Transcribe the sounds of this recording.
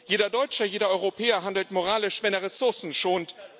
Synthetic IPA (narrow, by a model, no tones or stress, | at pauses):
jeːdɐdɔʏt͡ʃəjeːɾɐɔʏʁopʰɛːɐɦandl̩tmoʁaːlɪʃv̥ɛneːɐʁɛsʊɐsn̩ʃoːnt